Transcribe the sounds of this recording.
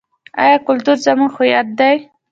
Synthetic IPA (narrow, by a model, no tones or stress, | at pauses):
a̰jɑkʊlt̪uɾzamuxʊjat̪̚d̪aj